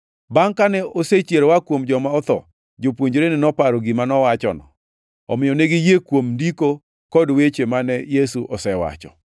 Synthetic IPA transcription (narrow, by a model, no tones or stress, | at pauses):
baŋkanɛʔoset͡ʃjeɾowakwomd͡ʒɔmaɔt̪ɔ̰ | d͡ʒopwoɲd͡ʒɾenɪnɔpaɾɔɡɪmanɔwat͡ʃɔ̰nɔ̰ | ɔmɪjɔneɡɪjekwomndiko | kɔdwet͡ʃemanɛjesuʔɔsɛwa̰t͡ʃɔ̰